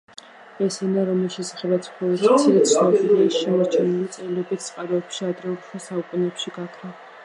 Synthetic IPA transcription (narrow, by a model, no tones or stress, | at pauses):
ɛsɛnaɾɔmiʃɛsḁχɛbat̪sʰχɔlɛɾsʰiɾɛsnɔpidaiʃʃɛmaɾt͡ʃʰɛnɛlit̪sʼɛlɛbit̪ʰsʼqʼaɾɔɛpʃiad̪ɾɛuɾʰɛsaukʼunɛpʃiɡakʰɾa